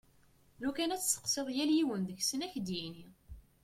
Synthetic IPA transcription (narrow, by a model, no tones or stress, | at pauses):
lukænæt͡sːsə̥qseðˤjæljiwənðəçsənæçd̪jini